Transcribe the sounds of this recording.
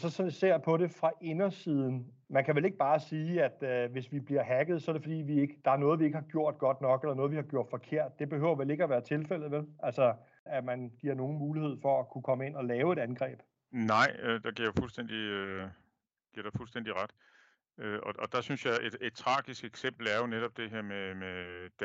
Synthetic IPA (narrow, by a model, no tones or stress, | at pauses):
sɒ̽sɒnise̝ɐ̰pʰɒ̽ɾe̝fʁɑ̈ʔe̝nɐsiːð̞ˠn̩ | mænkʰæʋele̝ɡ̥̚b̥ɑ̈ːsiːæd̥øʋe̝sʋib̥liɐɦæɡ̥əð̞̩ˠsɒ̽æɐɾe̝fɒ̽d̥ḭːʋie̝ɡ̥əd̥ɑ̈æɐnɔ̽ːðˠʋie̝ɡ̥əhɑ̈ɡ̥jo̝ɐ̰d̥̚ɡ̥ɒ̽d̥nɒ̽ɡ̥elɐnɔðˠʋihɑ̈ɡ̥jo̝ɐ̰d̥fɒ̽kʰe̝ɐ̰d̥̚ːe̝b̥e̝hø̰ʊ̰ɐʋele̝ɡ̥əɒʋæːɐt͡sʰe̝lfel̰ð̩ˠʋelʔælsɒ | æmænɡ̥iɐ̰no̝ːn̩muːlihe̝ð̞̰ˠfɒ̽ækʰukʰɒ̽məe̝n̰ɒ̽lɛːʊe̝ɾænɡ̥ʁɛ̰ːb̥ | nɑ̈ɪ̰ød̥ɑɡ̥ḭɐ̰jofulsd̥en̰d̥iø | ɡ̥iɐɾ̥efulsd̥en̰d̥iʁad̥ | øɒʔɒ̽d̥ɑ̈synsjɑ̈ɪʔed̥e̝d̥̚t͡sʰʁɑ̈ːɡ̥isɡ̥eɡ̥sem̰b̥l̩æɐjo̝neɾ̥ɒ̽b̥̚d̥e̝ɦeɐ̰memed̥